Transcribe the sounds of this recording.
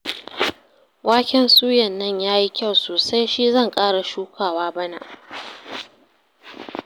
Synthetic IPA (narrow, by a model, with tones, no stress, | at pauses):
wʔaː˦kʲɛ˦nsʼuː˦jɐ˨nːɐ˦˨ɲjaː˦ji˦kʲa˦˨wsoː˨sa˦jʃi˦zɐ˦˨ŋkʼaː˦ɽa˨ʃuː˦kʰʷaː˨waː˦bɐ˦na̰˨ʔ